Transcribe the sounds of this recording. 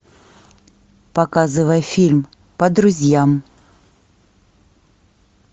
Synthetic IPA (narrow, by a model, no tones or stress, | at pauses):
pɐkazɨvəjfʲilʲm | pɐd̪ɾʊzʲjam